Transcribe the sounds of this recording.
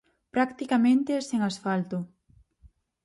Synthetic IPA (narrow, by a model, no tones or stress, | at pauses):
pɾakt̪ikamẽnt̪eseŋasfalt̪ʊ